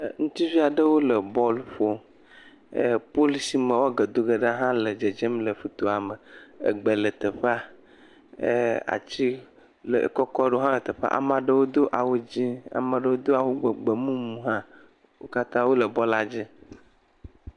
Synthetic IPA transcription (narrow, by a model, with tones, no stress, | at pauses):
ŋũ˦t̪i˦vi˦a˨ɖə˦wo˦lə˨bɔ˦lfo˦˨ | po˦li˦si˦mə̃˨wɔ˦ɡə˨d̪o˦ɡə˨ɖə˦ɦã˦lə˨d͡ʒe˨d͡ʒe˦mlə˨fu˦t̪o˨a˨mə˨ə̰˨ɡ͡bə˨lə˨t̪ə˨ɸa˦˨ | a̰˨t͡ɕi˦ | lə̰˨kɔ˦kɔ˦ɖo˦ɦã˦lə˨t̪ə˨ɸa̰˦ʔa̰˨mã˨ɖə˦wo˦d̪o˦ʔa˨wo˦d͡ʑi˦a̰˨mə˨ɖə˦˨wo˦d̪o˦a˨wo˦ɡ͡bə˨ɡ͡bə˨mũ˦mũ˦ɦã˦ | wo̰˦ka˦t̪ã˦wo˦lə˨bɔ˦la˨d͡ʑi˦